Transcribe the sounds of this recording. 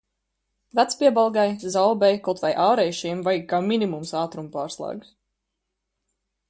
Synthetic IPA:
vat̪spʲiɛbalˠɡajzawˠbɛjkɔwt̪vajʔaːɾɛjʃiɛmvajkaːminimumsaːt̪ɾumpaːɾslˠa̰ːɡ

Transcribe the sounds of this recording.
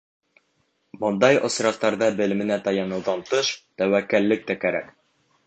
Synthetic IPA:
bɤ̆nd̪ɑjŏsɾɑq̚t̪ɑɾðɑbɘ̆lɘ̆mɘ̆næt̪ɑjɑnɤ̆lˠðɑnt̪ɤʃt̪æwækːælːɘk̚t̪ækæɾæ̰k

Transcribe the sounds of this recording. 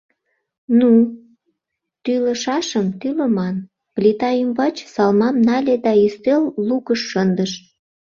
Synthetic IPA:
nu | t̪yləʃɑʃəmt̪yləmɑn | plʲit̪ɑymβɑt͡ɕsɑlmɑmnɑlʲed̪ɑist̪elːukəʃːənd̪əʃ

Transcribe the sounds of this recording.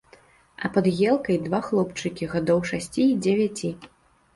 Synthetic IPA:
ɐpɐd̪ɣʲɛlˠkɐjd̪vaxlˠɔpt͡ʂɨkʲiɣad̪ɔwʂasʲt͡sʲiːd͡zʲevʲat͡sʲi

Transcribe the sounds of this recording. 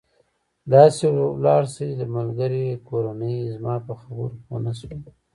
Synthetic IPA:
d̪ɑselɑɽsid̪əmalɡəɾikoɾanəjzmɑːpəxabuɾwə̰nasu

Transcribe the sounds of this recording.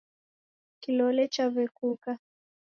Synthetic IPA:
kilɔlɛt͡ʃavɛkuka

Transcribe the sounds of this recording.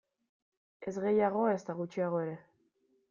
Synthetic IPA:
ezɣejaɣ̞o̞est̪aɣut͡ʃiaɣoeɾe

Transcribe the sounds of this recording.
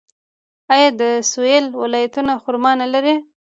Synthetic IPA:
ɑjɑd̪əsoelwɪlɑjat̪unaxʊɾmɑnalaɾi

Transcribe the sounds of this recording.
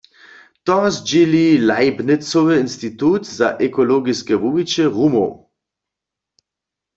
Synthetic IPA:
t̪ɔzd͡ʒililajbnɪt͡sowɛinst̪it̪ut̪za̰ʔɛkɔloɡiskɛʋuʋit͡ʃɛʁumo̰ʊ

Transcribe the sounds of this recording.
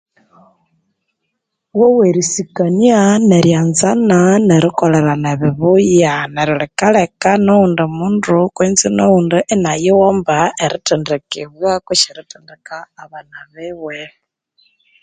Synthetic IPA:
woweɾisikanianeɾjanzananeɾikolelaneβiβujaneɾilikalekanoundimuːndukwenzinoundiʔenajiwombaeɾitindekiβakweʃeɾitindekaːβanaβewe

